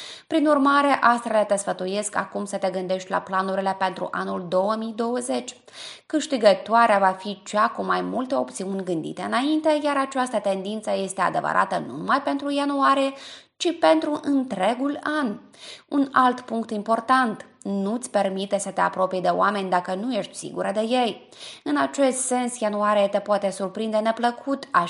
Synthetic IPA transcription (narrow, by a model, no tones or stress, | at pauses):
pɾinurmaɾe̞ʔast̪ɾelat̪e̞sfət̪uje̞ska̰kumsət̪e̞ɡɨnd̪e̞ʃt̪ʲla̰planuɾile̞pe̞nt̪ɾṵʔanuld̪o̞wəmijd̪o̞wəze̞t͡ʃʲ | kɨʃt̪iɡət̪oaɾeavafit͡ʃakumajmult̪e̞o̞pt̪siunʲɡɨnd̪ḭt̪eɨnaint̪e̞jaɾat͡ʃast̪ət̪e̞nd̪int̪səje̞st̪e̞a̰d̪e̞və̰ɾʔa̰t̪ənṵmajpe̞nt̪ɾujanuaɾijet͡ʃipe̞nt̪ɾuʔɨnt̪ɾe̞ɡulan | unalt̪puŋkt̪impo̞rt̪ant̪ | nut̪sʲpe̞rmit̪e̞sət̪e̞a̰pɾo̞pied̪e̞o̰ame̞nʲd̪akənuje̞ʃt̪ʲsḭɡṵɾəd̪e̞je̞j | ɨnat͡ʃe̞st̪se̞nsjanuaɾiet̪epoat̪e̞surpɾind̪e̞ne̞pləkʰut̪a